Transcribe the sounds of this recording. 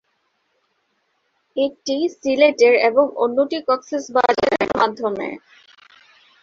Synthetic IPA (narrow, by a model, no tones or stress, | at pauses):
ek̚ʈisileʈeɾḛboŋo̰nːoʈikɔksisba̰d͡ʑaɾeɾmad̪ʱːomḛ